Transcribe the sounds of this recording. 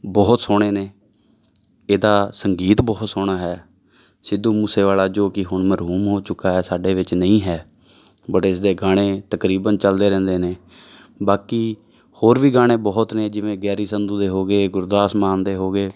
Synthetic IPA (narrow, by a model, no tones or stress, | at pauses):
bɔːt̪soːɽ̃eːneː | eːd̪aːsəŋɡiːt̪bɔːt̪soːɳ̃aːɦɛː | sɪd̪uːmuːseːʋaːlaːd͡ʒoːkɪɦʊɳməɾɦuːmɦoːt͡ʃʊkːaːɦɛːsaːɖeːʋɪt͡ʃnəĩːɦɛː | bəʈɪsd̪eːɡaːɽ̃eːt̪əkɾiːbənt͡ʃəld̪eːɾɛ̃ːnd̪eːneː | baːkiː | hoːɾʋiːɡaːɽ̃ẽːbɔːt̪nẽːd͡ʒɪʋẽːɡɛːɾiːsənd̪ũːd̪eːɦoːɡeːɡʊɾd̪aːsmaːnd̪eːɦoːɡeː